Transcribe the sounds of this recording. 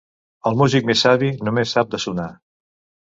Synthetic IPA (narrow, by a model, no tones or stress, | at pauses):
əlˠmuzik̚mesaβinumesːap̚d̪əsuna